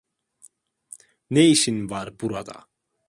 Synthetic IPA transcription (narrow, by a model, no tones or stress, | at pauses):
nejʃinvaɾbuɾad̪a̰